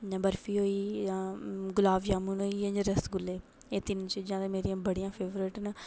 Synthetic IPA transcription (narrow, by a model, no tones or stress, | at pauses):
əbəɾfiːɦoːĩː | ɡʊlaːʋjaːmuːnɦoːiːẽd͡ʒəɾəsɡʊleː | eːt̪ɪnt͡ʃəd͡ʒɪãːt̪emeːɾijãːbəɽijãːpʰeːʋɾɪʈnə